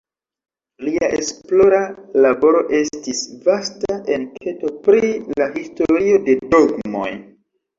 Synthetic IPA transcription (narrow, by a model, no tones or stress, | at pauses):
liaʔesplo̞ɾalabo̞ɾo̞ʔe̞stisvastaʔe̞nkʰe̞to̞pɾilahistoɾio̞de̞do̞ɡmo̞̰j